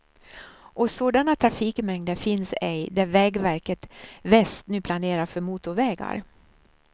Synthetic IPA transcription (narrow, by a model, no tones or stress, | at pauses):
ʔɔsoːd̪anat̪ʰɾafiːkmɛŋd̪əɾfɪnsɛjd̪æɾvɛːɡvæɾkət̪vɛst̪nʉ̟ːpʰlaneːɾafœɾmuːt̪ʊɾvɛːɡa̰ɾ